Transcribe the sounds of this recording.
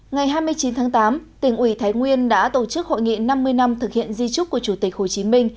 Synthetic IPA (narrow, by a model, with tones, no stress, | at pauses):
ŋa˨˩jɦaː˧jmɨ˧əjt͡ɕi˨˦nt̪ʰaː˨˦ŋt̪aː˨˦mt̪ï˧˩ŋ̟ʔwi˧˩t̪ʰaː˨˦jŋwi˧ənɗa̰ː˧˥t̪o˧˩t͡ɕɨ˦˥k̚ho̰˧˨jŋḭ˧˨na˧mːɨ˧əjna˧mt̪ʰɨ˨˩k̚hḭ˧˨ənzi˧t͡ɕʊ˦˥k͡p̚ːu˧˩ət͡ɕu˧˩t̪i˨˩k̟̚ho˨˩t͡ɕi˨˦mï˧ŋ̟